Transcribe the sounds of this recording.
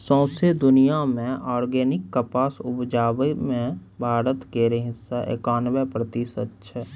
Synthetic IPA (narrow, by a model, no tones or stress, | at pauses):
sɔ̃ːsed̪ʊnijamẽʔɔːɾɡeːnɪkːəpaːsʊpd͡ʒaːwemẽbʱaːɾət̪keɾeɦɪsːaʔḛːkaːnʋepɾət̪isətːʃʰə